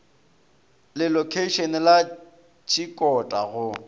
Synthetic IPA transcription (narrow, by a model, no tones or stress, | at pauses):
lɪlɔkʰeiʃɔnɪla | t͡ʃʰʼikʼɔtʼaɣʊ